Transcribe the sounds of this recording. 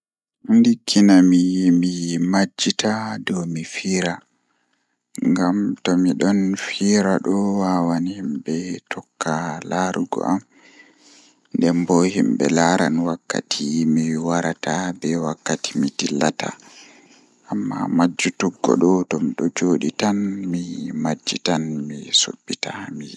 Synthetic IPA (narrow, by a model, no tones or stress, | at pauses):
ndikʰːinamijmimad͡ʒːitadɔmifiːɾa | ŋɡamtɔmiɗɔnfiːɾaɗɔwawanhimbɛtʰɔkːalaɾuɡɔ̰ʔam | ndɛmbɔhimbɛ̰laɾa̰nwakːa̰tʰimiwaɾatabɛwakːati̥mitilːata̰ | ʔamːa̰mad͡ʒːutuɡːɔ̰ɗɔtɔmiɗɔd͡ʒoɗitanmimad͡ʒːitanmiso̰bːitami